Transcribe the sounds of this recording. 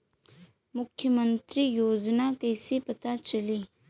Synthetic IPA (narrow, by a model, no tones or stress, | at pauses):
mʊkʰjəmə̃nt̪ɾijoːd͡ʒnakɐsepɐt̪at͡ʃɐliː